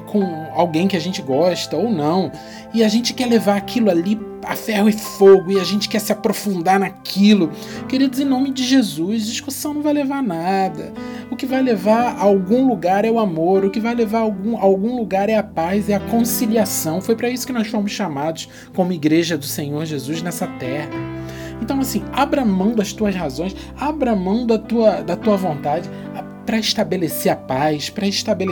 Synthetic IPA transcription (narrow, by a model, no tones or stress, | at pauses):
kʰõw̃awɡẽj̃kɪaʒẽnt͡ʃɪɡɔʃt̪ɐownɐ̃w̃ | ɪaʒẽnt͡ʃɪ̥kɛlevaɾakʰilʊali | afɛhʊɪfoɡʊɪaʒẽnt͡ʃɪ̥kɛsɪapɾofũnd̪aɾnakʰilʊ | keɾid̪ʊzẽnõmɪd͡ʒɪʒezuʃd͡ʒiskusɐ̃w̃nɐ̃w̃vajlevaɾnad̪ɐ | ʊkɪvajlevaɾawɡũluɡaɾɛʊamoɾʊkɪvajlevaɾawɡũawɡũluɡaɾɛɐpazɛɐkõsiliasɐ̃w̃fojpɾɐisʊ̥kɪnɔsfoɾmʊsʃamad̪ʊs | kõmʊiɡɾeʒɐd̪ʊsẽɲoɾʒezuznɛsɐt̪ɛɦɐ | ẽnt̪ɐ̃w̃asĩabɾɐmɐ̃w̃d̪ʊɐst̪uɐshazõj̃s | abɾɐmɐ̃w̃d̪ʊɐt̪uɐd̪ɐt̪uɐvõnt̪ad͡ʒɪ | pɾɐɪʃt̪abeleseɾɐpajspɾɐɪʃt̪abel